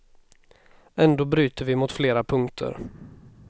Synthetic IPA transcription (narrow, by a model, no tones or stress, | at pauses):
ɛnd̪oːbɾyːt̪əvɪmʊt̪fleːɾapʰɵŋkt̪ʰə̰ɾ